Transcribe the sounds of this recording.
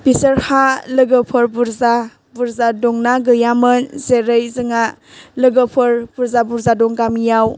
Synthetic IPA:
bisəɾhalɯɡəpʰɯɾbuɾza | buɾzadɔŋnaɡɯjamɯnzeɾɯjzɯŋa | lɯɡəpʰɯɾb̥uɾzabuɾzadɔŋɡamijaw

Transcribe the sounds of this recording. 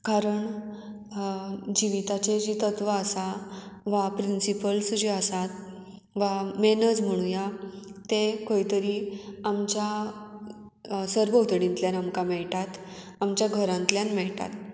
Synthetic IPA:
kaɾəɳ | d͡ʑiʋit̪at͡ɕed͡ʑit̪ət̪ʋəəsaʋapɾinsipəlsd͡ʑiəsat̪ | ʋamenəd͡zm̤əɽ̃ũjat̪ekəit̪əɾiamt͡ɕja | səɾbəwt̪ɽĩnt̪ljanamkamɛɭʈat̪ | amt͡ɕjaɡʱəɾãnt̪ljanmɛɭʈa̰t̪

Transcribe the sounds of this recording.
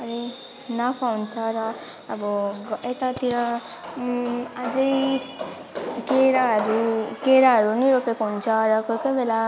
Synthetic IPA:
ʌɾe | napʰawnt͡sʰʌɾʌː | bʌɡet̪at̪iɾʌ | ad͡zʌj | keɾaɦʌɾukeɾaɦʌɾuniɾopekoɦunt͡sʰʌɾʌkojkʌjbela

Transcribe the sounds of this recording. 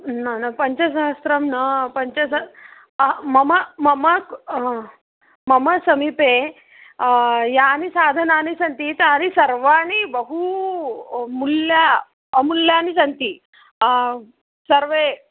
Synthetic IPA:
nanapɐɲt͡ɕɐsaɦəst̪ɾɐmnɐpɐɲt͡ɕɐs | mɐməmɐmɐk | mɐməsɐmipe | janisaːd̪ʱənaːnisɐnt̪it̪anisɐɾʋanibəɦu | mulːja | muljanisɐnt̪iː | səɾʋe

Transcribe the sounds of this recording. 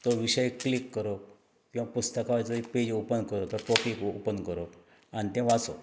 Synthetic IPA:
t̪oʋiɕəjkːlikːəɾo | kĩw̃ʋapust̪əkaʋajt͡siped͡ʑopənkəɾot̪əʈokikopənkəɾo | anit̪ɛ̃ʋat͡so̰

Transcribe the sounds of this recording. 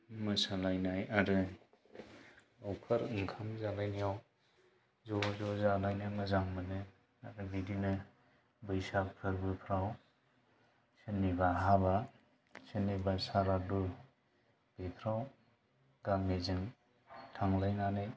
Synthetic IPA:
mɯsalajnajaɾɯ | ɔwkʰaɾɯŋkʰamzalajnijaw | zɔzɔzalajnamɯzaŋmɯnɯ | aɾɯbidinɯ | bɯjsapʰɯɾbɯpʰɾaw | sɯnibaɦaba | sɯnibasaɾadu | b̥et̪ʰɾaw | ɡaŋmezɯŋ | tʰaŋlajnanɯj

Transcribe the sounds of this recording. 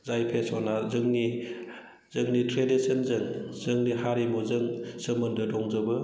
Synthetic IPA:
zajpʰesɔnazɯŋni | zɯŋnitɾedisɯnzɯŋz̥ɯŋnihaɾimuzɯŋsɯmɯndɯdɔŋzɯbɯ

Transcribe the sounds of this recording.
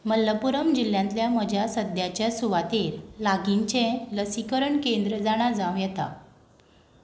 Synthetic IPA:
məlːəpuɾəmd͡ʑil̤jãnt̪ljaməd͡ʑʱjasəd̪jat͡ɕjasuʋat̪eɾlaɡiɲt͡ɕɛ̃ləsikəɾəɳkend̪ɾəd͡zaɽ̃ad͡zaw̃jɛt̪a̰

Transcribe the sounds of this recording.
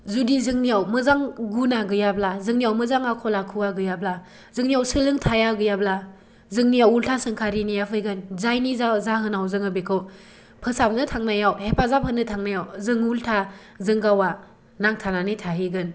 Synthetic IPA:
zudizɯŋnijawmɯzaŋɡunaɡɯjablazɯŋnijawmɯzaŋakʰɔlakʰɯwaɡɯjabla | zɯŋnijawsɯlɯŋtʰajaɡɯjabla | zɯŋnijawultʰasɯŋkʰaɾinijapʰɯjɡɯnzajnizzaɦɯnawzɯŋɯbekʰɯw | pʰɯsapnɯtʰaŋnajawhepʰazapʰɯnːɯtʰaŋnajawzɯŋultʰa | zɯŋɡawa | naŋtʰananɯjtʰaɦiɡɯn

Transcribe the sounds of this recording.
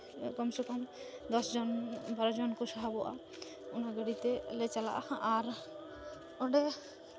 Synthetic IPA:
kɔmsɔkɔm | d̪ɔsd͡ʒɔnbaɾɔd͡ʒɔnkuʃaɦabɔʔa̰ | unaɡəɽit̪elet͡ʃala̰ʔa̰hʔaɾ | ɔɖɛ

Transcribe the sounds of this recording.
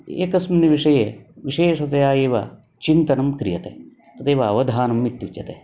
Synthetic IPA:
ḛːkɐsmɐniʋiʂɐjeʋiʂeːʂɐt̪ɐjaːeːʋɐ̰ | t͡ʃint̪ɐnɐmkɾijɐt̪ḛ | t̪ɐt̪eːʋɐɐʋɐd̪ʱaːnɐmːit̪jut͡ʃjɐt̪e

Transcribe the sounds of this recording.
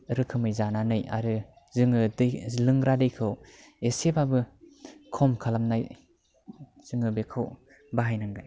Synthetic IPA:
ɾɯkʰɯmɯjzananɯja̰ɾɯ | zɯŋɯdɯlɯŋɾadɯjkʰɯw | esepʰabɯkʰɔmkʰalamnaj | z̥ɯŋɯbekʰɯw | baɦajnaŋɡa̰j

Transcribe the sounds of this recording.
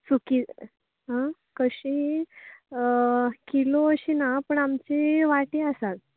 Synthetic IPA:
suki | ɦã | kəɕi | kiloəɕinapəɳamt͡ɕiʋaʈiəsal

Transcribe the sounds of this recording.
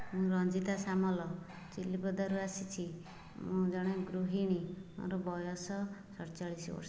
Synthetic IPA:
mũɾɔnd͡ʒit̪asamɔlɔ | t͡ʃilibɔd̪aɾuasit͡ʃʰi | mũd͡ʒɔɽ̃eɡɾuɦiɽ̃imɔ̰̃ɾɔbɔjɔsɔsɔɾt͡ʃaɭisʋɔ̰ɾs

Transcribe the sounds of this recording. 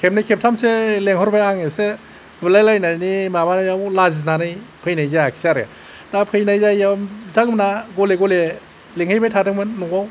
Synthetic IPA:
kʰep̚najkʰep̚tʰamseleŋhɔɾbajaŋese | bɯlajlajnanimabanajawlaziznanɯjpʰɯjnajzajakʰsiaɾḛ | tapʰɯjnajzajamdaŋmnaɡɔleɡɔle | leŋhajbajtʰadɯŋmɯnːuaw

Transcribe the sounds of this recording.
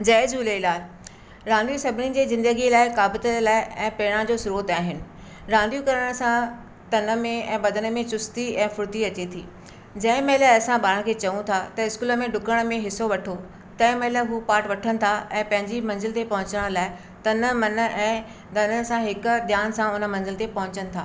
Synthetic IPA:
d͡ʑɛːd͡ʑuːleɪlaː | ɾãːnd̪ijusɐbʱɪnid͡ʑeːzɪ̃nd̪əɡilaːɪkaːbət̪əlaːɪɛ̃ːpeːɽ̃ãd͡ʑoːsʊɾoːt̪aːɦɪnɪ̆ | ɾãːnd̪ijukɐɾəɽ̃sã | t̪ɐnə̆mẽɛ̃ːbɐd̪ʱənə̆mẽt͡ɕʊst̪iɛ̃ːfʊɾt̪iɐt͡ɕet̪ʰḭː | d͡ʑɐ̃ːɪ̃mɐɦɪlaɐsãɓaːɽ̃kʰeːt͡ɕɐʋũt̪ʰat̪ɐɪskuːlə̆mẽɖʊkəɽ̃mẽɦɪsoʋɐʈʰo | t̪ɐ̃ɪ̃mɐɦɪləɦuːpaːɾʈʋɐʈʰənɪ̆t̪ʰaʔɛ̃ːpɐ̃ɦɪ̃ɲd͡ʑimɐ̃nzɪlt̪epɐ̃ɦʊ̃ɲt͡ɕəɽ̃laːɪ | t̪ɐnəmɐnə̆ʔɛ̃ː | d̪ɐnəɽ̆sãɦɪkʊ̆ɗ̪jaːnsãʊnə̆mɐ̃nzɪlt̪epɐɦʊ̃ɲt͡ɕənɪ̆t̪ʰaː

